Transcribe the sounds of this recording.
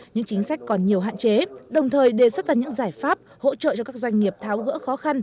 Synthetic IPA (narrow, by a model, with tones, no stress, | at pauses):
ɲɨ̰˧˥ŋt͡ɕï˨˦ŋ̟sa˦˥jk̟ʲkɔ˨˩nɲi˨˩əwɦa̰ː˧˨nt͡ɕe˨˦ɗə˨˩wŋ͡mt̪ʰəː˨˩jɗe˨˩swə˦˥t̚laː˧˩ɲɨ̰˧˥ŋzaː˧˩jfaː˦˥p̚ho̰˧˥t͡ɕə̰ː˧˨t͡ɕɔ˧kaː˦˥k̚zwa˧jŋ̟ŋi˨˩əp̚t̪ʰaː˨˦wɣə̰˧˥xɔ˨˦xa˧n